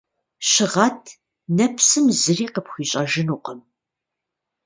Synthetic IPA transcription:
ɕɪʁɐtʰ | nɐpʰsɨmzɨriːqəpxʷiːɕʼɐʒɪnuːqəm

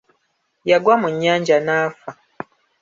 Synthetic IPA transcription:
jaɡwamuɲːaːɲd͡ʒanaːfa

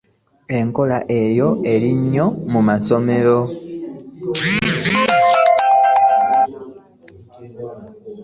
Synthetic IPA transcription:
eŋkolaʔejoeliɲomumasomelo

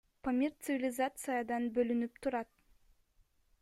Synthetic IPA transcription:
pɐmʲirt̪sɨvʲɪlʲɪzat̪sɨjəd̪ɑnbølynyp̚t̪ʰuɾɑt̪

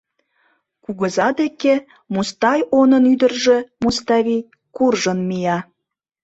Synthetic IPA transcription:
kuɣəzɑd̪eke | must̪ɑjonənyd̪ərʒĕmust̪ɑβʲi | kurʒənmijɑ

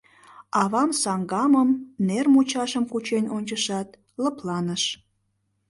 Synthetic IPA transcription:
ɑβɑmsɑŋɡɑməmnermut͡ɕɑʃəmkut͡ɕenonʲt͡ɕəʃɑt̪ | ləplɑnəʃ

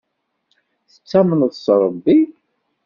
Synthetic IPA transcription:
θə̥t͡sːæmənðsˤɾˤəbːi

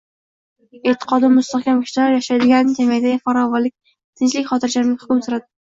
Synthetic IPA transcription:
et̪ʰːɪ̥qʰɒd̪ɪmʊst̪aχkʲʰamkʰʲʊ̥ʃaɾjaʃajd̪ɪɡʲanɪɪkʲʰamʲajd̪aafaɾɒvɒlːɪk̚ʲ | t̪ʰɪnt͡ʃlɪkʲχɒt̪ʰɪɾd͡ʒaɾmɪkʲhʊ̥kʲʊmsʊɾad̪ɪ

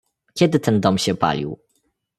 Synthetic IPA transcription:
kʲɛd̪ɘt̪ɛnd̪ɔmɕɛpa̰lʲḭw

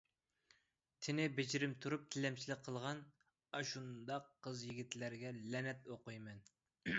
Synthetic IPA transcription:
t̪ʰɪnɪbɪd͡ʒiɾɪmt̪ʰuɾup̚t̪ʰɪlɛmt͡ʃʰilɪk̚ʲqʰːəlˠʁɑn | ɑʃund̪ɑqʰːəzjiɡʲit̪læɾɡʲɛlɛnɛt̪oqʊjmɛn

